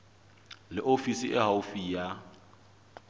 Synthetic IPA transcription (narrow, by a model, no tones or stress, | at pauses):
lɪʔofisiʔɛɦaufija